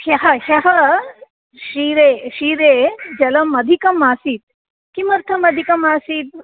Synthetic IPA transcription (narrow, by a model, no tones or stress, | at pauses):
hɐɦɐhjɐɦɐ | ʃiɾeːʃiːɾeːd͡ʒɐlɐmɐd̪ʱikɐmaːsiːt̪̚ | kimɐɾt̪ʰɐmɐd̪ʱikɐmaːsiːt̪̚